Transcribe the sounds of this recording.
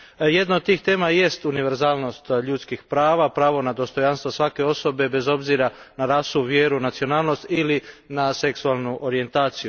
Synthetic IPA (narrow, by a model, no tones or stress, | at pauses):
je̞d̪naod̪̚t̪iːxt̪e̞ːmaje̞st̪uniʋe̞ɾzaːlˠno̞st̪ʎut̪skixpɾaːʋapɾaːʋo̞nad̪o̞st̪o̞janst̪ʋo̞sʋake̞o̞so̞be̞be̞zo̞bziɾanaɾaːsuʋjeɾunat̪sio̞naːlˠno̞st̪ilinase̞ksualˠnuʔo̞ɾie̞nt̪aːt̪siju